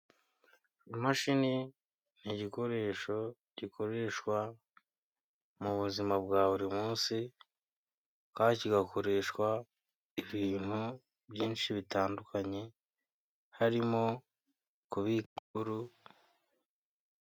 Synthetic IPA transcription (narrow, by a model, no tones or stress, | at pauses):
imaʃini | n̥iɟiko̞ɾe̞ːʃo̞ | ɟ̥ikʰo̞ɾe̞ːʃkwa | muβuzimabɡaːβuɾimuːnsi | kaːniciɡako̞ɾe̞ːʃkwa | iβiːn̥hu | bjiːnʃiβitaːndukʰaɲe̞ | haɾimo̞ | kuβiuɾu